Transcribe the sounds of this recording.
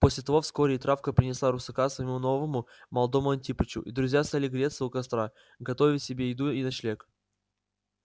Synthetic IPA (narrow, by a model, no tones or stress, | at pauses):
po̞sʲlʲɪt̪ɐvo̞fsko̞ɾʲɪɪt̪ɾafkəpɾʲɪnʲɪslˠaɾʊsɐkasvəjɪmuno̞vəmʊmɐlˠɐd̪o̞mʊɐnʲtʲipət͡ɕʊ̰ʔid̪ɾʊzʲjast̪alʲɪɡɾʲet̪sɨʊkɐst̪ɾa | ɡɐt̪ovʲɪsʲɪbʲeɪd̪uinɐɕlʲek